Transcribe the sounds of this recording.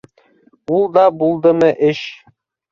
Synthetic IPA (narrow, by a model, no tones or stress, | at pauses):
ulˠd̪ɑbulˠd̪ɤmɤʔɘʃ